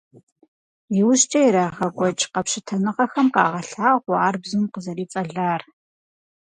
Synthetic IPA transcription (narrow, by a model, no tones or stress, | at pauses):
jɪwʊɕt͡ʃʼɐjiɾaːʁɐkʷʼɔt͡ʃʼqɐpʃɪtʰɐnɨʁɐxɐmqɑ̰ːʁɐɬaːʁʷaːrbzunqəzɐriːt͡sʼɐɮaːr